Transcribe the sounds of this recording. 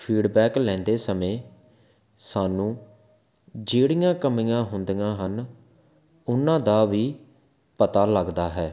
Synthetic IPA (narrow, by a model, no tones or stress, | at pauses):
pʰiːɖbɛːklɛ̃ːnd̪eːsəmẽː | saːnũː | d͡ʒeːɽijãːkəmɪjãːɦʊnd̪ɪjãːɦən | ʊnãːd̪aːʋiː | pət̪aːləɡd̪aːɦɛː